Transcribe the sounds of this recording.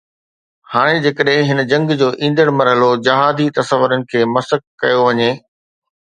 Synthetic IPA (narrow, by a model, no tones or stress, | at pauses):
haːɽ̃ed͡ʑeːkəɗɦɪ̃ɦɪnə̆d͡ʑɐ̃ŋɡd͡ʑoːʔĩːnd̪əɽ̃mɐɾɦəlod͡ʑɐɦaːd̪it̪ɐsəʋəɾənɪ̆kʰeːmɐsəkkɐjoʋɐɲeː